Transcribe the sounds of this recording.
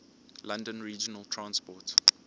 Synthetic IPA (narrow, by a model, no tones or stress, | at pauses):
lãndə̃nɹiːd͡ʒənəltʰɹãnspɔt